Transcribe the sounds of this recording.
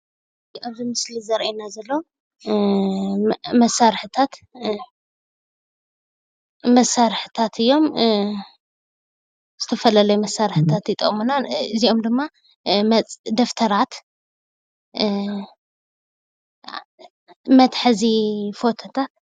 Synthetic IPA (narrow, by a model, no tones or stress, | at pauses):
aβzimɨslizɐɾʔenazɐlːo | mɐsaɾħɨt̪ʰat̪ | mɐsaɾħɨt̪ʰat̪ʰɨjːo̞m | z̥ɨt̪ʰɐfɐlalɐjumɐsːaɾħɨt̪ʰat̪jɨt̪ʼɐ̰ʔʼmunaɨziʔo̞md̪ɨmːa | md̪ɐft̪ʰɐɾat̪ | mɐt̪ħɨzifo̞t̪ʰɐt̪ʰat̪